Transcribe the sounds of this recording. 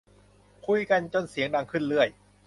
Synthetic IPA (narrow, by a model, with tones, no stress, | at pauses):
kʰu˧jka˧nt͡ɕo˧˨nsi˨˩˦əŋda˧ŋkʰɯ˥˩nlɯ˥˩əj